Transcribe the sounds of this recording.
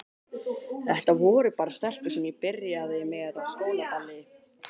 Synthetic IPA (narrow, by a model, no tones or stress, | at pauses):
θɛht̪avɔːɾʏpaːɾast̪ɛl̥k̪ʏsɛmjɛpɪɾjaðɪmɛðavskoːwnat̪alːɪ